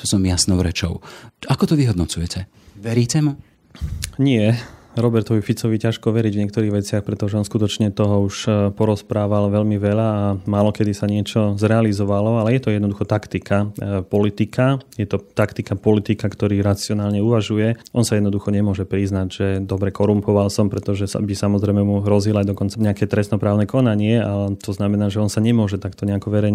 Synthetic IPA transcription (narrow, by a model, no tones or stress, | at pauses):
t̪ɔsɔmjasnɔʊɾɛt͡ʃɔ̰ʊakɔt̪ɔʋiɦɔd̪nɔt͡sujɛcɛ | ʋɛɾiːcɛmu | ɲɪɛɾɔbɛɾt̪ɔʋifit͡sɔʋicaʃkɔʋɛɾiɟvɲɪɛk̚t̪ɔɾiːɣʋɛt͡sɪaxpɾɛt̪ɔʒɛɔnskut̪ɔt͡ʃɲɛt̪ɔɦɔuʃpɔɾɔspɾaːʋalʋɛʎmiʋɛʎaːmaːlɔkɛd̪isaɲɪɛt͡ʃɔzɾɛalizɔʋalɔalɛjɛt̪ɔjɛd̪nɔd̪uxɔt̪akt̪ikapɔlit̪ikʰajɛt̪ɔt̪akt̪ikapɔlit̪ikakt̪ɔɾiːɾat͡siɔnaːlɲɛuʋaʒujɛʔɔnsajɛd̪nɔd̪uxɔɲɛmʊɔʒɛpɾiznaɟʒ̥ɛd̪ɔbɾɛkɔɾumpɔʋalsɔmpɾɛt̪ɔʒɛsbisamɔzɾɛjmɛmuɦɾɔzilajd̪ɔkɔnt͡saɲɛakɛt̪ɾɛst̪nɔpɾaːʊnɛkɔnaɲɪɛat̪ɔznamɛnaːʒɛɔnsaɲɛmʊɔʒɛt̪akt̪ɔɲɛakɔʋɛɾɛjɲ